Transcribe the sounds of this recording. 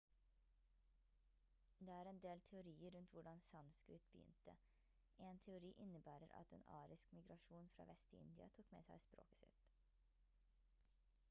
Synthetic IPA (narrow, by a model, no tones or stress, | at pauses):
d̪eːæːɾɛnd̪eːlt̪ʰɛʊɾiːəɾʉnt̪ʋʊɖɑnsɑnskɾɪt̪bəjʏ̰nt̪ə | ʔeːnt̪ʰɛʊɾiːʔɪnəbæːɾəɾʔɑ̰t̪eːnɑ̰ːɾɪskmɪɡɾɑʃuːnfɾɑ̰ːʋʔɛst̪ɪ̰nd̪ɪɑ̰t̪ʰuːkmḛːsæɪspɾo̰ːkə̥sɪ̰t̪